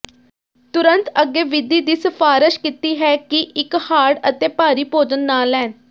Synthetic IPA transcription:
t̪ʊɾənt̪əɡːeːʋɪd̪iːd̪iːsəfʰaːɾəʃkit̪iːɦɛːkɪʔɪkhaːɽət̪eːpaːɾiːpoːd͡ʒənːaːlɛːn

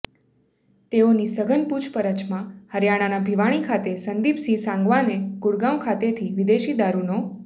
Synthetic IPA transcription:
t̪eonisəɡʱənpud͡ʒpəɾət͡ʃmãhəɾjaɽ̃anabʱiʋaɽ̃ikʰat̪esənd̪ipsisãŋɡʋaneɡʊɽɡãmkʰat̪et̪ʰiʋɪd̪eʃid̪aɾuno

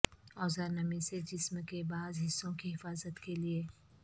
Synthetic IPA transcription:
ɔːzəɾnɐmised͡ʒɪsmkebaːzɦɪsːõkiɦɪfaːzət̪kelie

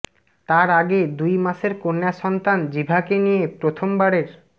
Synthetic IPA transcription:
t̪aɾaɡed̪ujmaʃeɾkonːaʃɔnt̪and͡ʑibʱakenijepɾot̪ʰombaɾeɾ

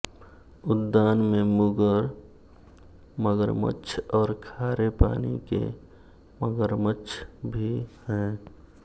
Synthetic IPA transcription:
ʊd̪ːaːnmẽmʊɡəɾ | məɡəɾmə̰t͡ʃʰɔːɾkʰaːɾepa̰ːnḭkḛ | məɡəɾmət͡ʃʰbʱihɛ̃ː

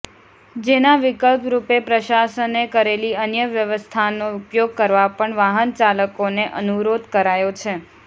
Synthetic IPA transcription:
d͡ʒenaʋɪkəlpɾupepɾəʃasənekəɾeliənjəʋjəʋəst̪ʰanoʊpjoɡ̚kəɾʋapəɳʋaɦənt͡ʃaləkoneʔənuɾod̪kəɾajot͡ʃʰe

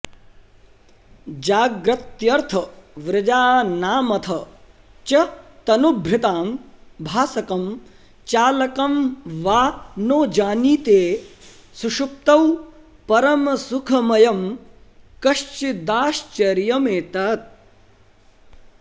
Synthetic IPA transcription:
d͡ʒaːɡɾɐt̪jɐɾt̪ʰɐʋɾɪd͡ʒaːnaːmɐt̪ʰɐ | t͡ʃɐt̪ɐnubʱɾɪt̪aːmbʱaːsɐkɐm | t͡ʃaːlɐkɐmʋaːnoːd͡ʒaːniːt̪eːsuʃup̚t̪ɐw | pɐɾɐmɐsukʰɐmɐjɐm | kɐʃt͡ʃid̪aːʃt͡ʃɐɾjɐmeːt̪aːt̪̚

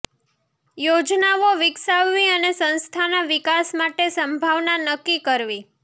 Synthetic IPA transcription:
jod͡ʒnaʋoʋɪksaʋːiənesə̃nst̪ʰanaʋɪkasmaʈesəmbʱaʋnanəkːikəɾʋi

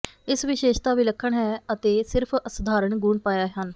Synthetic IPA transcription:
ɪsʋɪʃeːʃt̪aːʋiːləkʰːəɳɦɛːət̪eːsɪɾpʰəsəd̪ʱaːɾəɳɡuːɳpaːjaːɦən

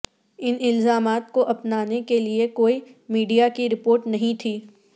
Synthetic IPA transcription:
ɪnɪlzaːmaːt̪koʔɐpnaːnekeliekoːimiːɖijakiɾɪpoːɾʈnɐɦĩt̪ʰiː

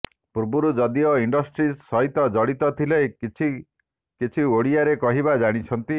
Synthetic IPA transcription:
puɾbuɾud͡ʒɔd̪iɔiɳɖɔsʈɾisɔɦit̪ɔd͡ʒɔɽit̪ɔt̪ʰilet͡ʃʰi | kit͡ʃʰioɽiaɾekɔɦiβad͡ʒaɽ̃it͡ʃʰɔnt̪i

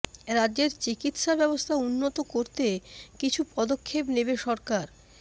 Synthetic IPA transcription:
ɾadːd͡ʑeɾt͡ɕikit̪ʃabɛbost̪ʰaunːot̪okoɾt̪ekit͡ɕʰupɔd̪okʰːepnebeʃɔɾkaɾ

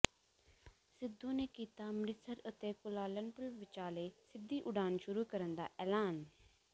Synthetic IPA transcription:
sɪd̪ũːneːkiːt̪aːmɾɪt̪səɾət̪eːkʊlaːlənpʊlʋɪt͡ʃaːleːsɪd̪ːiːʔʊɖaːnʃʊɾuːkəɾənd̪a̰ːʔɛːlaːn

